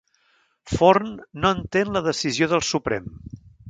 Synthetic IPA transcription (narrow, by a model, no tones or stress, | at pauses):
foɾnːoənt̪enləðəsizioðəlˠsupɾɛ̰m